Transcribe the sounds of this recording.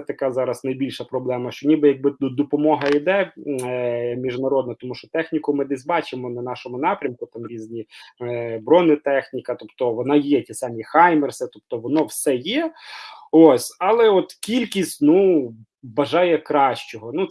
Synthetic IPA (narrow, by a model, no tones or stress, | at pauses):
ɛt̪ɐkɑzɑɾɐsnɐjbʲilʲʃɐpɾɔblˠɛmɐʃt͡ʃɔnʲibɪjɐɡ̚bɪud̪ɔpɔmɔɦɐid̪ɛ | mʲiʒnɐɾɔd̪nɐt̪ɔmuʃt͡ʃɔt̪ɛxnʲikʊmɪd̪ɛsʲbɑt͡ʃɪmɔnɐnɑʃɔmʊnɑpɾʲɐmkʊt̪ɑmɾʲizʲnʲi | bɾɔnɪt̪ɛxnʲikɐt̪ɔpt̪ɔʋɔnɑjɛtʲisɑmʲixɑjmersɪt̪ɔp̚t̪ɔʋɔnɔwsɛjɛ | osʲɑlˠɛɔt̪kʲilʲkʲisʲtʲnu | bɐʒɑjɛkɾɑʃt͡ʃɔɦɔnu